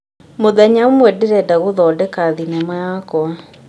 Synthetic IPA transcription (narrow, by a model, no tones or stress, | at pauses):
moðɛɲaomwɛdeɾɛdaɣoðɔːdɛkaðinɛmajakɔa